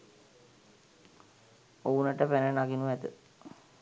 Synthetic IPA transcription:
ounəʈəpenənaɡinuʋɛt̪ə

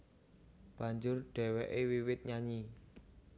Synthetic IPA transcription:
b̥ä̤ɲd͡ʒʊrɖ̥ɛ̤wɛʔewiwɪt̪̚ɲaɲi

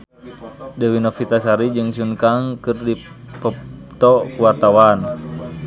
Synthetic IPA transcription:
dɛwinɔfit̪asaɾid͡ʒɨŋsuŋkaŋkɨrdi | pət̪ɔkuwat̪awan

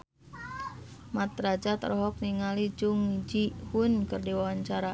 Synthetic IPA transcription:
mat̪ɾad͡ʒat̪ɾɔɦɔk̚niŋalid͡ʒuŋid͡ʒihunkɨrdiwawaɲt͡ʃaɾa

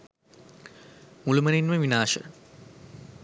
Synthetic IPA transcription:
mulumɐninmɐʋinaːʃɐ̰

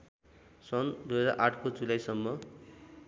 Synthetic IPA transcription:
sʌnd̪ujɦʌd͡zaɾʔaʈʰkod͡zulajsʌmːʌ

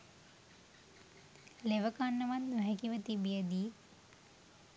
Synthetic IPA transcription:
leʋəkanːəʋannuɦɛkiʋət̪ibijəd̪iː

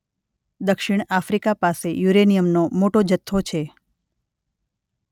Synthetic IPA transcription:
d̪əkʃɪɳ̃afɾikapasejuɾenijəmnomoʈod͡ʒət̪ʰːot͡ʃʰe

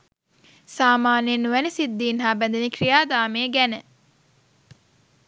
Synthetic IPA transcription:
saːmaːnenːuʋænisid̪ːiːnɦaːbɛnd̪enikɾijaːd̪aːmeːɡænə

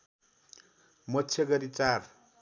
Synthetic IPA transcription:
mʌtːt͡sʰjʌɡʌɾit͡sar

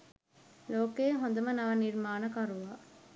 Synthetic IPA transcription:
loːkeːɦõnd̪ɐmɐnɐʋɐniɾmaːnɐkɐɾuʋaː

